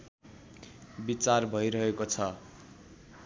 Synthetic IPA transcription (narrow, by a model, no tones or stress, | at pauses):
bit͡sarbʱʌjɾʌɦekot͡sʰʌ